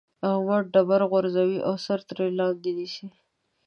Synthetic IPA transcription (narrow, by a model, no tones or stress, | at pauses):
awaɖabaɾɣaɾzawiʔasaɾt̪ɾelɑld̪id̪iʃi